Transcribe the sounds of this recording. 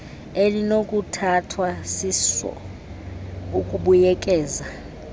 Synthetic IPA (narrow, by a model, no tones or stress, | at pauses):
elinokʼutʰatʰwasisɔ̰ | ukʼuɓujɛkʼɛːza